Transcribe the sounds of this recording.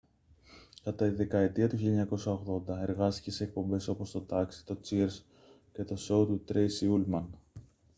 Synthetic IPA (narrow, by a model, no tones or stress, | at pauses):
kɐt̪ɐt̪iðe̞kɐe̞t̪iɐt̪uçileɲɐko̞sɐoɣðo̞nd̪ɐe̞ɾɣɐst̪i̥ce̞seːk̚po̞mbe̞so̞po̞st̪o̞t̪ɐksi̥t̪o̞t͡siɾs | ce̞t̪o̞so̞ut̪ut̪ɾe̞jsiulmɐn